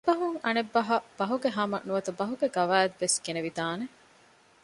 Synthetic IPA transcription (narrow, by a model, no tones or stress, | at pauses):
bɐɦuŋɐnebːɐɦɐb̥ɐɦuɡeɦɐmɐ̰nuʋɐt̪ɐbɐɦuɡeɡɐʋæːd̪ʋesɡeneʋit̪aːne